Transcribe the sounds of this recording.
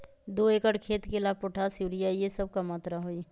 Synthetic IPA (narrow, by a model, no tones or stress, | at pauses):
d̪oːeːkəʈkʰeːt̪kelaːb̚pʊʈʰasuːɾijajesəb̚kamaːt̪ɾaɦoi